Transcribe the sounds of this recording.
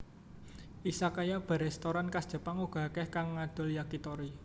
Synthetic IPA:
ʔisakajab̥a̤ɾɛst̪oɾankasd̥ʒ̥ə̤paŋuɡ̥a̤kɛhkaŋːad̪̥o̤ljakit̪ɔɾi

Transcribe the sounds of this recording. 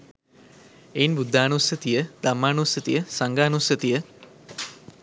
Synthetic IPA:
einbud̪ʱːaːnusət̪ijəd̪̥amːaːnusət̪ijəsaŋɡaːnusət̪ijə

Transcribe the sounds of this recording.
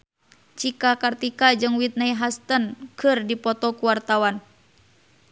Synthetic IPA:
t͡ʃikakart̪ikad͡ʒɨŋwit̪̚naiɦast̪ənkɨrdipɔt̪ɔkuwart̪awan

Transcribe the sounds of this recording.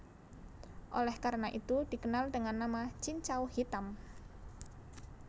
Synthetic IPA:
ʔolɛhkaɾnaʔit̪ud̥i̤kənaldəŋanːamat͡ʃint͡ʃauhit̪am

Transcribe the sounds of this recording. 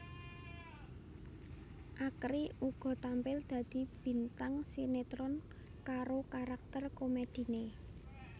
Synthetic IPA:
ʔakɾiuɡ̥ɔ̤t̪ampɪld̪̥ä̤d̪̥i̤b̥i̤nt̪aŋsinet̪ɾɔn | kaɾokaɾak̚t̪ərkomed̪̥i̤ne

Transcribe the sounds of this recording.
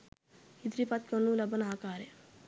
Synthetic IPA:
id̪ɾipat̪̚kɐnulɐbɐnaɦakaːɾe

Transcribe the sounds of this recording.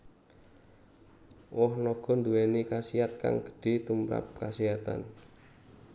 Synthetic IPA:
wɔhnɔɡ̥ɔ̤nd̪uwɛnikasiat̪̚ka̰ŋɡ̥ə̥ɖ̥e̤t̪umɾa̰p̚kasiat̪a̰n

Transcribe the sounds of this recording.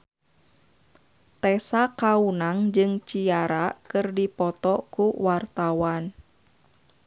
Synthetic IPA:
t̪ɛsakaunaŋd͡ʒɨŋt͡ʃiaɾakɨrdipɔt̪ɔkuwart̪awan

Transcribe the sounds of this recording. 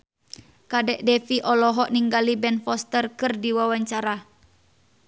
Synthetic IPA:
kadɛʔdɛfiʔɔlɔɦɔʔniŋɡalibɛnfɔst̪ərkɨrdiwawaɲt͡ʃaɾa

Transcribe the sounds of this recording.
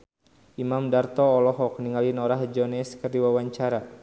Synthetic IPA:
ʔimamdart̪ɔːlɔɦɔk̚niŋalinɔɾahd͡ʒɔnɛskərdiwawaɲt͡ʃaɾa

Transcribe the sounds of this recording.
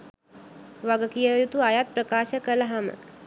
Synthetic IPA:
ʋaɡəkijəjut̪uajat̪̚pɾəkaːʃəkələɦamə̰

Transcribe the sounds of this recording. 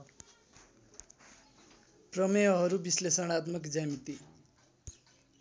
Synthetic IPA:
prʌmʌjʌɦʌɾubislesʌɽ̃at̪mʌkd͡zamit̪i

